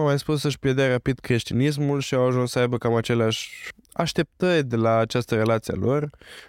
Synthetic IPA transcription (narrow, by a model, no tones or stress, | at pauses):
amajspus̬ːəʃpjed̪earapid̪kɾe̞ʃt̪inis̬mulʃiawaʒunssəajbəkamat͡ʃe̞leaʃʲ | a̰ʃt̪e̞p̚t̪ərʲd̪elaːt͡ʃast̪əɾe̞lat̪sia̰lʔo̞r